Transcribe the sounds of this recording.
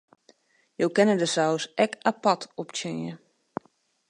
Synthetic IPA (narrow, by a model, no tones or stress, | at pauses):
jowkɛnədəsawsʔɛkapatʰɔp̚tjenjə